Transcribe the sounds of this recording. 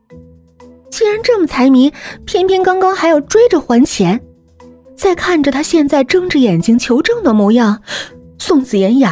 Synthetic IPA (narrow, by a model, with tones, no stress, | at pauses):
t͡ɕi˥ɻa˧˥nʈ͡ʂɤ˥˩mə˩t͡sʰa˧˥ɪmi˧˥npʰjɛ˥˩npʰi˥˩nkɑ˥ŋkɑ˥ŋxa˧˥ɪjo˨˩ʊʈ͡ʂwe˥ɪʈ͡ʂə˨xwa˧˥nt͡ɕʰjɛ˧˥n | t͡sa˥˧ɪkʰa˥˩nʈ͡ʂə˨˩t̪ʰa˥ɕjɛ˥˧nt͡sa˥˧ɪʈ͡ʂɤ˥˧ŋʈ͡ʂɻ̩˥˩jɛ˨˩nt͡ɕi˥ŋt͡ɕʰjo˧˥ʊʈ͡ʂɤ˥˩ŋd̪ə˩mɔ˧˥jɑ˥˩ŋ | sʊ˥˩ŋt͡sɹ̩˨˩jɛ˧˥nja˨˩˦